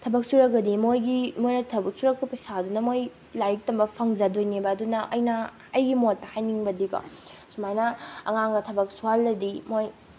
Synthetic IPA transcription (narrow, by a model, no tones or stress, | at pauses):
tʰɐbɐk̚suɾɐk̚ɐdimojɡimojnɐtʰɐbɐk̚suɾɐk̚pɐpɐsadunɐmoj | lajik̚tɐmbɐpʰɐŋzɐdojnebɐːdunɐʔɐjnɐ | ɐjɡimotːɐhajniŋbɐdikɐ̰sumajnɐɐ̰ŋaŋɡɐtʰɐbɐk̚sualːɐdimoj